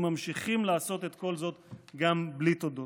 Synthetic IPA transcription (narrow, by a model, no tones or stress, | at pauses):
mamʃiχimlaːso̞t̪et̪ko̞lzo̞t̪ɡamblit̪od̪o